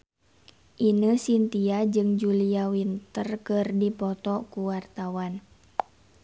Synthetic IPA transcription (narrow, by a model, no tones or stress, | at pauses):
ʔinəsint̪iad͡ʒɨŋd͡ʒuliawint̪ərkɨrdipɔt̪ɔkuwart̪awan